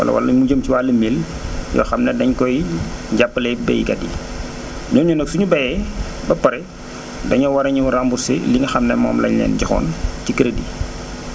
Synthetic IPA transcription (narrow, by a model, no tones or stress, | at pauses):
wɐ̰lɐ̰wɐ̰lɐmuɟəmciwaːlːəmel | jɔ̰xɐmnɛdɐɲkɔjɟapːəlɛbɛjikɐdi | ɲɔɲunəksuɲubɐjɛ | bɐpɐɾɛ | dɐɲɔwɐɾɐɲuuɾambusɛ̰liŋɐxɐmnɛmɔ̰ːmlɐ̰ɲlɛ̰ːnɟɐxɔ̰ːncikəɾədi